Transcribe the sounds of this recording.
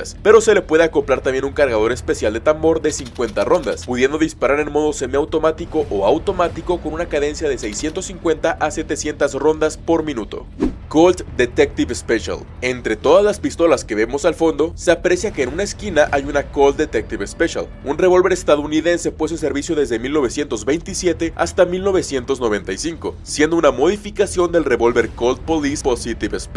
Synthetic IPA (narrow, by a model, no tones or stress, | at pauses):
aspe̞ɾo̞se̞le̞pwe̞ðeako̞pɾaɾt̪ambje̞nuŋkaɾɣað̞o̞ɾe̞spe̞sjald̪e̞t̪ambo̞ɾðe̞siŋkwe̞nt̪aro̞nd̪a̰spuðje̞nd̪o̞ðispaɾaɾe̞nmo̞ðo̞se̞meawt̪o̞mat̪iko̞ʔoawt̪o̞mat̪iko̞ko̞nunakaðe̞nsjaðe̞sejsje̞nt̪o̞siŋkwe̞nt̪aʔase̞t̪e̞sje̞nt̪azro̞nd̪aspo̞ɾmĩnut̪o̞̰kolt̪d̪e̞t̪ek̚t̪iβspeʃa̰l | e̞nt̪ɾe̞t̪o̞ðazlaspist̪o̞laske̞βe̞mo̞salfo̞nd̪o̞se̞apɾe̞sjake̞ːnũnaeskinaʔajunako̞ld̪̚d̪et̪ek̚t̪iβespeʃa̰l | unre̞βo̞lβe̞ɾest̪aðo̞uniðe̞nse̞pwes̬uns̬e̞ɾβisjo̞ðe̞zðe̞milno̞β̞e̞sje̞nt̪ozβe̞jnt̪isje̞t̪e̞a̰st̪amilno̞βe̞sje̞nt̪o̞znoβe̞nt̪ajsiŋko̞̰sjend̪o̞unamo̞ðifikasjo̞nd̪e̞lre̞βo̞lβe̞ɾkolt̪̚polisposit̪iβesp